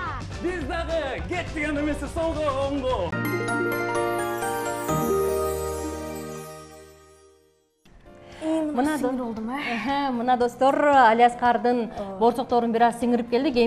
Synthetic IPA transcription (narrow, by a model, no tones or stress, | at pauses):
bɪzd̪ɑʁəɡʲet̪ːeɡʲenemesesolˠʁəoɴʁo | mənɑoɦæmənɑd̪o̞st̪oɾalʲijasqʰɑɾd̪ənboɾt̪ʰoq̚t̪oɾənbɪɾɑssiŋɪɾɪp̚kʲe̞ld̪ɪkʲe